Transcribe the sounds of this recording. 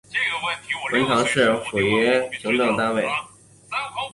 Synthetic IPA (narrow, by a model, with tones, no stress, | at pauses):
wə˧˥nt̪ʰɑ˧˥ŋʂɻ̩˥˩xwe˨˩ɥɛ˧˥ʈ͡ʂʰɤ˧˥ŋʈ͡ʂ̪ɤ˥˩ŋt̪a˥nwe˥˩ɪ